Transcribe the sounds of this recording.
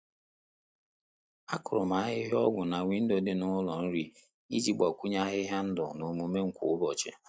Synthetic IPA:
a˦kʊ˨ɾʊ˨ma˨˦ɦɪ˦ɦɔ˦ɡʷʊ˨na˨wi˨n̩˦do˨dɪ˦nʊ˦ʊ˦lɔ˨n̩˦ɾi˦ | i˦d͡ʒi˦ɡ͡ba˨kʷu˦ɲa˦ɦɪ˦ɦa˦n̩˦dɔ˨no˨mu˨me˦ŋ̩˨˦kʷʊ̰˨ʊ˦bɔ˨t͡ʃɪ̰˨

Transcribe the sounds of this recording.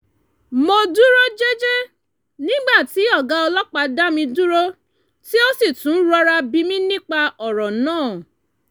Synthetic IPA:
mo˧du˦ɾo˦d͡ʒe˦d͡ʒe˦ | nĩ˦ɡ͡ba˦˨ti˨˦ɔ˦˨ɡa˨˦ɔ˧lɔ˦k͡pa˧da˦mĩ˧du˦ɾo˦ | ti˦o˦si˦˨tũ˨˦ɾɔ˧ɾa˧bi˧mĩ˦nĩ˦k͡pa˧ɔ˨ɾɔ˨nãː˦˨

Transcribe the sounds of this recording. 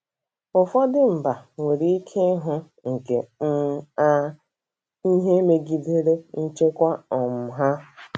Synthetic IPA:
ʊ˨fɔ˦dɪ˦m̩˨ba˨we˨ɾi˦i˦kʰe˦ɦʊ˦ | ŋ̩˨ke˨m̩˦ | i˦ɦe˦me˦ɡi˨de˦ɾe˦n̩˦t͡ʃe˦kʷa˦ɔ˨m̩˨ɦa˦

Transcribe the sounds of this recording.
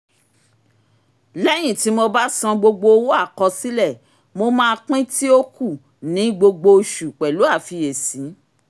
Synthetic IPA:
lɛ˦j̃ĩ˦˨ti˨˦mo˧ba˦sɔ̃˧ɡ͡bo˧ɡ͡bo˧o˧wo˦a˦˨kɔ˧si˦lɛ˦˨ | mo˧mãː˦˧k͡pĩ˦ti˦o˦ku˦˨ | nĩ˨˦ɡ͡bo˧ɡ͡bo˧ʃu˨k͡pɛ˨lu˨˦a˦˨fi˧e˨sĩ˨˦

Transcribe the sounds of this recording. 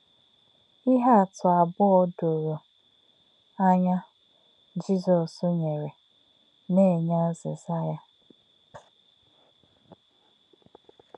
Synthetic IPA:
i˦ɦa˦a˨tʰʊ˨a˨bʊ˦ɔ˦do˨ɾo˨ | a˦ɲa˦ | d͡ʒi˦zɔ˨sʊ˦ɲe˨ɾe˨ | ne˦˨ɲa˦zɪ̰˨za˦ja˦

